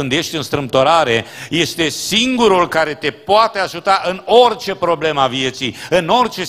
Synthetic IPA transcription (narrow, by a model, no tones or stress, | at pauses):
ɨnd̪je̞ʃt̪ʲɨnst̪ɾɨmp̚t̪oɾaɾe̞je̞st̪e̞siŋɡuɾulkaɾe̞t̪e̞poat̪e̞aʒut̪aʔɨno̞rt͡ʃe̞pɾo̞ble̞məavie̞t̪sijɨno̞rt͡ʃe̞